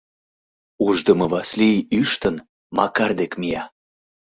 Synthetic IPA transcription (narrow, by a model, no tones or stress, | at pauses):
uʒd̪əməβɑsliyʃt̪ən | mɑ̰kɑrd̪ekmijɑ